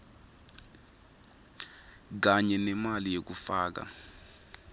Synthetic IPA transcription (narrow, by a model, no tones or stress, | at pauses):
k̬aɲɛnɛmalijek̬ufaːk̬a̰